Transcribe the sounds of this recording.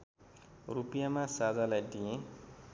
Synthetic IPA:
rupijamãsad͡zalajd̪ijẽ

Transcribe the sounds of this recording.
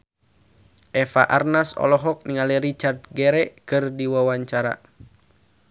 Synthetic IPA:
ʔɛfa̰ʔarnasɔ̰lɔɦɔk̚niŋalirit͡ʃardɡɛɾɛkɨrdiwawaɲt͡ʃaɾa̰

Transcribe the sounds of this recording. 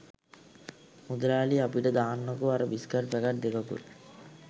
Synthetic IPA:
mud̪ɾaːliapiʈɐd̪aːnːokuaɾɐbiskaɾpɛɡaʈ̚d̪ekɐkṵɾ

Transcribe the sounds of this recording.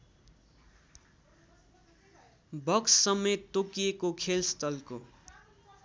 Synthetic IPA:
bʌkssʌmet̪ːokijekokʰelst̪ʌlko̰

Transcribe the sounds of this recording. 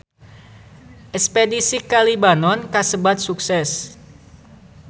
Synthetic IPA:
ʔɛspedisikalibanɔnkasəbat̪̚suksɛs

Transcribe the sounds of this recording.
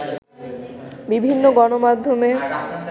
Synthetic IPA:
bibʱinːoɡɔnomad̪ʱːome

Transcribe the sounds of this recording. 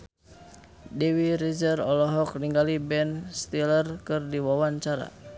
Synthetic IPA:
dɛwiɾid͡ʒərɔlɔɦɔk̚niŋɡalibɛnst̪ilərkɨrdiwawaɲt͡ʃaɾa̰

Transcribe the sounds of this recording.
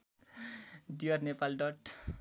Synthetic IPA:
diʌrnepalɖʌʈ

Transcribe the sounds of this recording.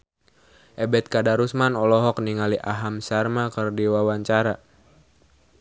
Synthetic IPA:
ʔɛbɛt̪̚kadaɾusmanɔlɔɦɔk̚niŋaliʔaɦamsarmakərdiwawaɲt͡ʃaɾa

